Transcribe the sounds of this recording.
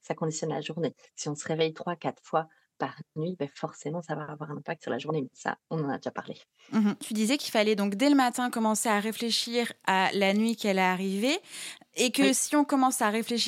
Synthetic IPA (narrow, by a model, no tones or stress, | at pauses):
sakɔ̃d̪isjɔnla̰ʒuʁnesiɔ̃səʁevɛjt̪χwakat̪χfwa | paʁnɥibɛfɔʁsemɑ̃savaːvwaʁɛ̃nɛ̃pak̚t̪syʁla̰ʒuʁnemɛsa̰ɔ̃nɑ̃nad̪eʒapaʁle | t̪ʰyd̪izɛkilfalɛd̪ɔ̃kd̪ɛləmat̪ɛ̃kɔmɑ̃seaʁefleʃiʁalanɥikɛlaːʁiveː | kəsiɔ̃kɔmɑ̃saʁefleʃ